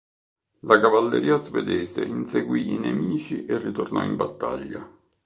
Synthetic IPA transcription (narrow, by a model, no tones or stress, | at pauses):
lakavalːeɾiːazved̪ɛːsḛʔinseɡwiinemiːt͡ʃiʔerːit̪ornɔimbat̪ːa̰ʎːa